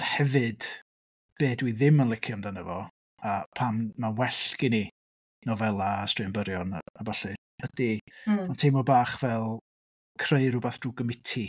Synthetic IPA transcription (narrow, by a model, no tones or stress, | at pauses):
hɛvɨd̥ | b̥eːdwiðɪmənlˠɪkʰjɔmdanəvɔ | apʰanmawɛɬkɪni | nɔvɛlˠastrɪmbəɾjɔnabaɬɨ | ədimantʰejmɔbaːχvɛlˠ | kʰreɨɾʊbaθd̥ruːɡəmɪtʰi